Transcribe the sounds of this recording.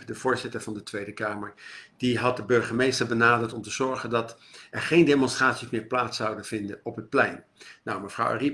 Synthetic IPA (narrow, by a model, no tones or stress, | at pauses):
dəvʊːɹzɪtəɹvɑndətʋejdəkaːməɹd̥iɦɑt̚dəbɵɹχəmejstəɹbənaːdəɹtɔmtəzɔɹχəndɑt | ɛɹχejndemɔnstraːtsismɪːɹplaːtsʌwdənv̥ɪndənɔpɦət̚plɛjn | nawməvrʌ̰wa̰ri